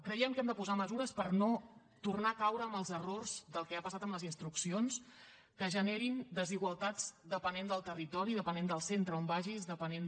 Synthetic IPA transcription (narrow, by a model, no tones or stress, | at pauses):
kɾəiɛmkɛmd̪əpuzaməzuɾəspəɾno | t̪urnakawɾəːməlˠzərorzd̪əlˠkɛapəsat̪əmləzinst̪ɾuksions | kəʒəneɾind̪əziɣwəlˠt̪ad͡zd̪əpənend̪əlˠt̪ərit̪ɔɾiðəpənend̪əlˠsent̪ɾəombaʒizðəpənen